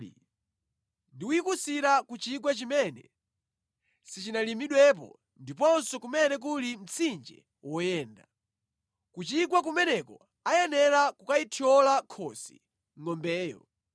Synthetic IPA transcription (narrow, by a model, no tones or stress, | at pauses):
ndiuikusiɾakut͡ʃik̬wɛt͡ʃimɛnɛ | sit͡ʃinalimiɗwɛp̬ɔ̰ | ndipɔnsɔkumɛnɛk̬ulim̩t͡sʰind͡ʒɛ̰ | wɔjɛːnda | kut͡ʃik̬wak̬umɛnɛkɔ | ajɛnɛɾakukaitʰiɔlakʰɔsḭ | ŋɔmbɛːjɔ̰